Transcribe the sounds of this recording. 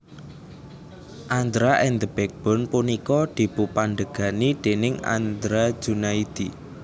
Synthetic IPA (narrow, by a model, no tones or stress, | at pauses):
ʔand̪ɾaʔɛnd̪əb̥ɛk̚b̥ɔ̤npunikɔd̪̥i̤b̥upaɳɖəɡ̥a̤nid̪̥e̤nɪŋa̰nd̪ɾḁd͡ʒ̥unaid̪̥i